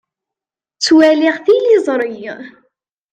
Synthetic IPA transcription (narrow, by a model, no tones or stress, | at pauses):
t͡sːwæliʁθilizˤɾˤij